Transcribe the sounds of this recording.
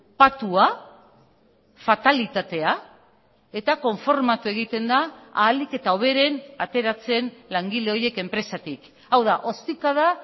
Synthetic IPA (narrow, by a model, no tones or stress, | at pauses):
pat̪ua | fat̪alit̪at̪e̞a | e̞t̪ako̞ɱfo̞ɾmat̪ue̞ɣ̞it̪e̞nd̪aːlike̞t̪ao̞β̞e̞ɾe̞nat̪e̞ɾat͡se̞nlaŋɡile̞o̞je̞ke̞mpɾe̞sat̪ik | awðaʔo̞st̪ikað̞a